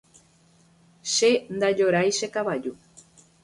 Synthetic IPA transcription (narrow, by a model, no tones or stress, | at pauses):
ʃend̪ad͡ʒoɾajʃekaβad͡ʒu